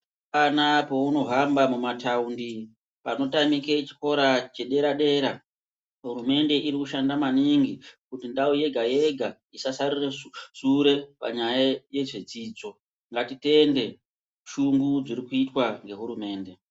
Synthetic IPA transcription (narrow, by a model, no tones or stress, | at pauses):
panapo̞uno̞ɦambamumataundi | pano̞tamiket͡ʃi̥ko̞ɾat͡ʃe̞ɗe̞ɾaɗe̞ɾa | ɦuɾume̞nde̞ʔiɾikuʃandamaniŋɡikutindauje̞ɡʱaje̞ɡʱa | isasarireʐ̥uɾe̞pa̰ɲajaje̞ʐe̞d͡ziːd͡zo̞ | ŋɡatite̞nde̞ | ʃuŋɡud͡ziɾikuitwaŋɡe̞ɦuɾume̞ːnde̞